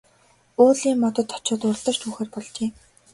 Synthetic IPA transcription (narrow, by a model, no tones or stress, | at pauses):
ʊːɮiːmːɔt̪ɞ̆t̪ʰːɔ̥t͡ɕʊːt̪ʊrɮt̪ə̆r̥t͡ɕ̪ʰuːxeːrpɔɮt͡ɕiː